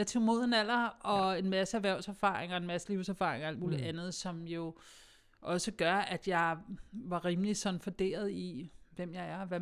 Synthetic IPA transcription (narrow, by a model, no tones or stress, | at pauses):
jɑ̈ɪt͡sʰo̝mo̝ð̞̰ˠenæl̰ɐɒ̽e̝nmæsəæʋæɐʊ̰sæɐfɑ̰̈ːʁeŋɐe̝nmæsəliʊ̰sæɐfɑ̈ːe̝ŋɐæld̥muːliʔænð̞̩ˠsɒ̽mjo̝ | ʔɒ̽səɡ̥ɶɐʔæd̥jɑ̈ɪʋɑ̈ʁiːməlisɒ̽nfod̥e̝̰ːɐð̞ˠiʋem̰jɑ̈ɪæɐʋæ